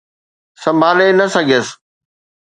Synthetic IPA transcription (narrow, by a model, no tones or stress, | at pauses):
sɐ̃mbʱaːlenɐsɐɡʱijəs